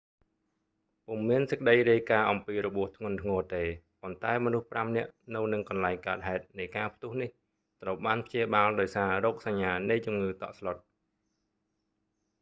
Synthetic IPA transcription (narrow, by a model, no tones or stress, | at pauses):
puŋmiənsəkəɗəjriəjkaːʔɑmpiːɾɔɓŭəht̪ʰŋʊ̆ənt̪ʰŋɔːt̪eː | pont̪aɛmɔnuhpramnɛ̆əʔnɨwnɨŋkɑnlaɛŋkaət̪̚ɦaɛt̪̚nɨjkaːpʰt̪ʊ̆əhnih | t̪rəwɓaːnpʰt͡ɕiəɓaːlɗaɔjsaːrɔːk̚saɲːaːnɨjt͡ɕumŋɨːt̪ɑ̰ʔslot̪̚